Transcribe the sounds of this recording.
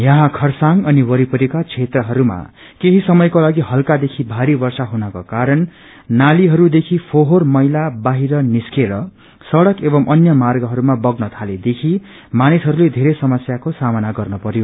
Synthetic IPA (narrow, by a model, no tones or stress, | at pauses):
jʌɦãkʰʌrsaŋʌniwʌɾipʌɾikat͡sʰet̪rʌɦʌɾuma̰ | keɦisʌmʌjkolaɡiɦʌlkad̪ekʰibʱaɾibʌrsaɦunʌkokaɾʌn | naliɦʌɾud̪ekʰipʰoɦormʌjlabaɦiɾʌniskeɾʌ | sʌɽʌkebʌmʔʌnjʌmarɡʌɦʌɾumabʌɡnʌt̪ʰaled̪ekʰi | manisɦʌɾuled̪ʱeɾʌsʌmʌsjakosamʌnaɡʌrnʌpʌɾjo